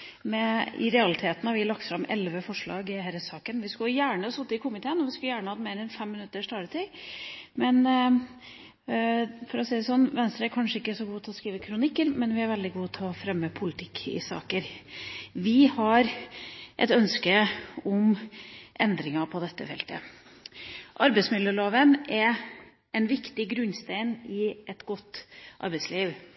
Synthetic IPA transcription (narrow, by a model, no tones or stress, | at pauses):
mɛɪ̰ɾɛɑlɪt̪ʰeːt̪n̩ɑɾʋɪlɑk̚t̪fɾɑmɛlʋəfɔʂɭɑ̰ːɡɪhæɾəsɑːkənʋɪskʉjæːɳəsʊt̪ːəɪkʰʊmɪt̪ʰeːənɔʋɪskʉljæːɳəhɑd̪meːɾɛnfɛmːɪnʉt̪ːəʂt̪ɑːɾət̪ʰɪ | mɛn | fɔɾɔsɛɪd̪ɛsɔnːʋɛnst̪ɾəæɾkʰɑnʂəɪkːəsɔɡuːt̪ʰɛɔskɾiːʋəkʰɾʊnɪkːəɾmɛnʋɪæɾʋɛld̪ɪɡuːt̪ʰɛlɔfɾɛmːəpʰʊlɪt̪ʰɪkʰːɪ̰sɑ̰ːkəɾ | ʋɪhɑɾʔɛ̰t̪œnskəɔmʔɛnd̪ɾɪŋɑpʰɔd̪ɛt̪ːə̰fɛ̰lt̪ə̰ | ʔɑɾbɛɪsmɪd̪ljəloːʋənɛɾ | ɛnʋɪkt̪ɪɡɾʉnːst̪eɪnɪɛt̪ɡɔt̪ːʔɑ̰ɾbɛɪsliːʋ